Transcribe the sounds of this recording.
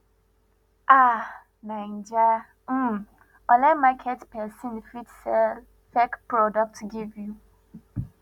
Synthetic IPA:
ʔa | nãɪnd͡ʒa | m̩ | ɔlɛmakʰɛtpɛsĩnfitsɛll | fɛkpɹɔdɔk̚tɡivju

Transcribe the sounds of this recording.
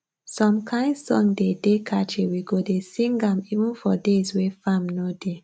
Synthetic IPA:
sɔ̃mkʰãɪ̃ndsɔ̰̃ŋdedekʰat͡ʃewiɡodesĩŋɡãmivũnfɔdezwefãmnode

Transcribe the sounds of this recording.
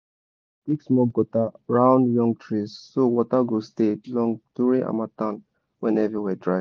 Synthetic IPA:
kiksmɔɡɔtaɹãʊ̃ndjɔ̃ŋɡ̚tʰɹisːowɔtaɡostelɔ̃ŋduɹĩŋʔa̰matãn | wɛ̃nɛvɹiwɛdɹaɪv

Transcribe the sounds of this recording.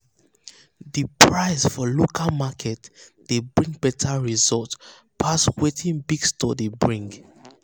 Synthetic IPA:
ðipʰɹaɪsfɔlokʰalmakʰɛtd̥ebɹĩŋɡ̚bɛtʰaɹizɔlt | pʰaswetʰĩnbiɡstɔ̰debɹĩŋɡ

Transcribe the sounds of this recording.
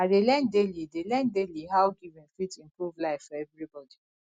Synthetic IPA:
adelɛ̃ndelidelɛ̃ndeliɦawɡivɪ̃nfitĩmpɹuvlaɪffɔɛvɹibɔdi

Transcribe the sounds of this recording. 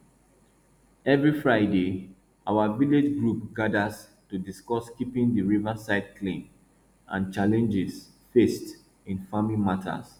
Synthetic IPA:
ɛvɹifɹaɪde | awaviled͡ʒɡɹupɡadaz | tudiskɔskipĩndiɹivasaɪd̚kʰlĩn | ʔã̰nt͡ʃalɛ̃nd͡ʒɪs | fest | ĩnfamĩmatʰa̰s

